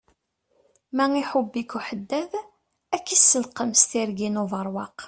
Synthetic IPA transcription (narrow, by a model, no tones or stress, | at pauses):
mæŋiħʊbːikuħəd̪ːæð | ækːisəlqəmst̪iɾɡinuvəɾˤwɑq